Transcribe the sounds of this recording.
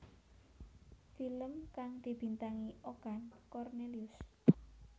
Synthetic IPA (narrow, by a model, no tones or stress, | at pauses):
filəmkaŋd̪̥i̤b̥i̤nt̪aŋiʔoɡ̥ankɔrneliʊs